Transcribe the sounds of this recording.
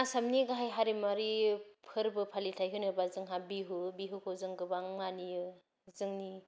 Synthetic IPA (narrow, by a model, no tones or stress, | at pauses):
asamniɡaɦajɦaɾimaɾipʰɯɾbɯpʰalitʰajɦɯnɯbazɯŋɦabiɦubiɦukʰɯwzɯŋɡɯbaŋmanijɯ | zɯŋni